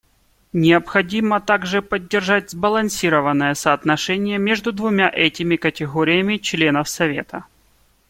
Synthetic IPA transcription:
nʲɪɐpxɐdʲimət̪aɡʐɨpədʲːɪrʐatʲzbəlˠɐnsʲiɾəvənːəjəsɐːt̪nɐʂɛnʲɪjəmʲeʐd̪ʊd̪vʊmʲaʔɛtʲɪmʲɪkətʲɪɣoɾʲɪjəmʲɪt͡ɕlʲe̞nəfsɐvʲe̞̰t̪ə

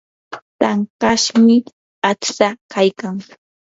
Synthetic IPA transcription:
t̪aŋkaʃmɪ | at͡ʃsakajkaŋ

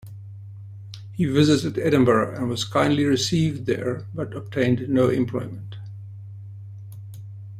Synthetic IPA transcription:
hivɪzɨtɨdɛd̃ⁿm̩bə˞ɨ̰̃nwʌz̥kʰãɪ̃ndliɹɪsivdðə̰ɹbʌɾəb̚tʰẽɪ̃ndnoʊʔɪ̰̃mpʰl̥ɔ̰ɪmə̃nt

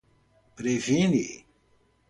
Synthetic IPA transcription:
pɾevini

